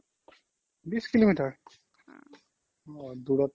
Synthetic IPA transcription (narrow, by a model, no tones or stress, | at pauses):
biskilomiʈəɹ | ɔd̪uɽa